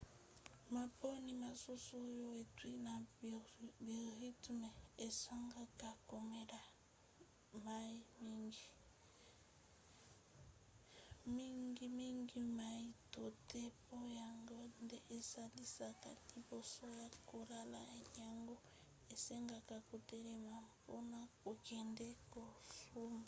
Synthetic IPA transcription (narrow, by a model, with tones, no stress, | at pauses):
ma˨po˦ni˨ma˨su˦so˦jo˦e˨twi˦na˨ | bi˨ʁi˦tme˨e˨sa˦ŋɡa˦ka˨ko˨me˦da˨ | ma˦i˦mi˦ŋɡi˨ | mi˦ŋɡi˦mi˦ŋɡi˦ma˨i˦to˨te˦po˦ja˨ŋɡo˦nde˦ʔe˨sa˦li˦sa˨ka̰˨ni˨bo˦so˦ja˦ko˨la˦la˨ja˦˨ŋɡo˦ | e˨sɛ˦ŋɡa˨ka˨ko˨te˦ɾe˨ma˨po˦na˦ko˨kɛ˨ndɛ˦ko˨su˦ma˨